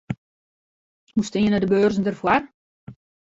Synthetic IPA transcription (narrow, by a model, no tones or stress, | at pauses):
hustɪənədəbøːrzn̩dərfwar